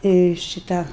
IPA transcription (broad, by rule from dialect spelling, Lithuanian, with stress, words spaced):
ɪr ʃʲɪˈtɑː